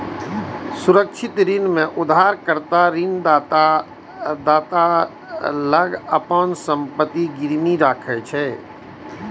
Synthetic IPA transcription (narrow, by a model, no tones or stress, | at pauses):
suɾəkt͡ʃʰɪt̪ɾinmẽʔʊd̪ɦaːɾkəɾt̪aɾin | d̪aːt̪a | ləɡəpənsəmpət̪iɡɪɾmiɾaːkʰɛt͡ʃʰɛ